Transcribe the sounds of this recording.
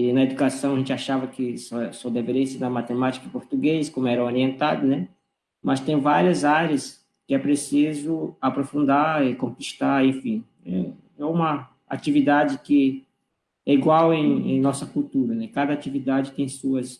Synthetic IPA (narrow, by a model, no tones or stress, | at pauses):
ɪnɐed̪ukasɐ̃w̃ɐʒẽnt͡ʃɪaʃavɐkɪsosod̪eveɾiɐseɾnɐmat̪emat͡ʃi̥kɐpoɾt̪uɡeskõmʊɛɾɐ̃oɾiẽnt̪ad̪ʊnɛ | mɐst̪ẽj̃vaɾiɐzaɾɐs | kɪɛpɾesizʊapɾofũnd̪aɾɪkõkiʃt̪aɾẽfĩ | ɛ̰ | ɛũmɐ | a̰t͡ʃivid̪ad͡ʒɪkɪ | ɛiɡwawẽj̃ḛ̃j̃nɔsɐkuwt̪uɾɐnɛkad̪ɐat͡ʃivid̪ad͡ʒɪt̪ẽj̃suɐs